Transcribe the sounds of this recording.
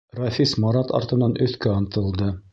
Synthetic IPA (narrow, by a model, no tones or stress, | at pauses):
rɑfʲismɑɾɑt̪ɑ̰ɾt̪ɤ̆nɑnʔɵ̆θkæɑnt̪ɤ̆lˠd̪ɤ